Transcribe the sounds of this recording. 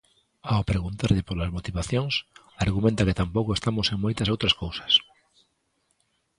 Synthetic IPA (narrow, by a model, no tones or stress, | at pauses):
awpɾeɣunt̪aɾʎepoɾlazmot̪iβaθjoŋs | aɾɣumẽnt̪aket̪ampowkoest̪amoseŋmojt̪asowt̪ɾaskowsḁs